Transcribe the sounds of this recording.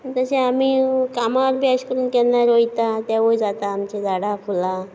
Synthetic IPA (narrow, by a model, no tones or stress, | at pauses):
t̪əɕeamikamaəɾbʱjaɕkəɾuːnkɛlnaɾojt̪at̪jaʋojd͡zat̪aːmt͡ɕed̪aɽakʰula